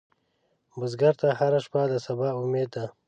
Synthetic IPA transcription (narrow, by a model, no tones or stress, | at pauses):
bʊzɡaɾt̪ahaɾaʃpad̪əsabaːumeːd̪̚d̪a